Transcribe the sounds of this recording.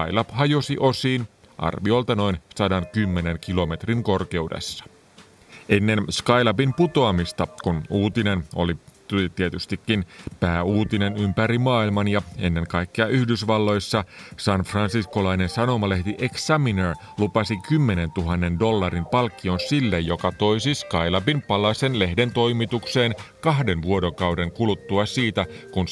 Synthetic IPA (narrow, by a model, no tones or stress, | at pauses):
ɑjlɑphɑjo̞siʔo̞siːnʔɑ̰rʋio̞lt̪ɑno̞insɑdɑnkymːe̞ne̞ŋkilo̞me̞t̪riŋko̞rke̞udḛsːɑ̥ | ʔenːe̞nskɑjlɑpimput̪o̞ɑmist̪ɑkunuːt̪ine̞no̞̰lit̪ut̪iet̪yst̪ikːinpæːuːt̪ine̞nympæɾimɑːilmɑnjɑenːe̞ŋkɑjkːeɑʔyhdysʋɑlːo̞jsːɑsɑnfrɑnsisko̞lɑine̞nsɑno̞mɑleht̪iʔeksæminer | lupɑsikymːe̞ne̞nt̪uɦɑnːe̞ndo̞lːɑrimpɑlkːio̞nsilːejjo̞kɑt̪o̞jsiskɑjlɑpimpɑlɑse̞nle̞hde̞nt̪o̞jmit̪ukse̞ːnkɑɦde̞nʋuo̞do̞kɑwde̞ŋkulut̪ːuɑsiːt̪ækun